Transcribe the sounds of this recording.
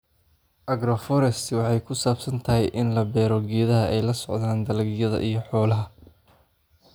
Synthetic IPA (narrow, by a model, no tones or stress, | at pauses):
ʔɐɡɾɔfɔɾɛst̪ʰwɑħɑjkʰʊsaːbsɐnt̪ʰɐɦɛjʔɪnlɐbɛːɾɔɡiːðɐɦɐʔɛjlɐsɔʕðaːnd̪ɐlɡjɐðɐ̰ʔijɞħɔːlɐɦɐ